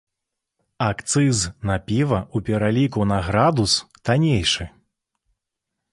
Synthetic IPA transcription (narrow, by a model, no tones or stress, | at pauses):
akt̪sɨznapʲivɐupʲɛɾalʲikunɐɣɾad̪us | t̪anʲejʂɨ